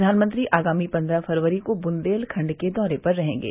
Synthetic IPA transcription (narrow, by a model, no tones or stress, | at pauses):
d̪ʱaːnmə̃nt̪ɾiʔʔaːɡaːmipɐ̃nd̪ɾafɐɾʋəɾikobʊnd̪eːlkʰɐ̃ɳɖked̪ɔːɾepɐɾːɐɦḛ̃ːɡḛː